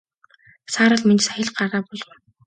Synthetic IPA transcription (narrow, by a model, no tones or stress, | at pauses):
saːɾə̆ɮment͡ɕsæxʲə̆ɮɢaʁaːpʊɮɞ̆w